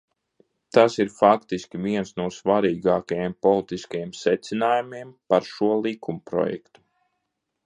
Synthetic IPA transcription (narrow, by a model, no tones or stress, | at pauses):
t̪asiɾfakt̪iskʲiviɛnsnuɔsvaɾiːɡaːkajempɔlˠit̪iskajemsɛt̪sinaːjumiɛmpaɾʃuɔlˠikumpɾɔ̰jɛ̰kt̪u̥